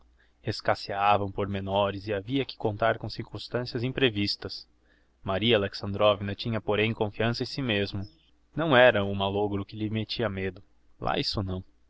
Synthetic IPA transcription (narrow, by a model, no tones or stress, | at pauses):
eskaseavɐ̃w̃poɾmenɔɾɪzɪaviɐkɪ̥kõnt̪aɾkõsiɾkũst̪ɐ̃siɐzẽpɾevist̪ɐs | maɾiɐaleksɐ̃nd̪ɾɔvinɐt͡ʃĩɲɐpoɾẽj̃kõfiɐ̃sɐẽsimezmʊ | nɐ̃w̃ɛɾɐʊmaloɡɾʊkɪlɪmet͡ʃiɐmed̪ʊ | lʔa̰isʊnɐ̃w̃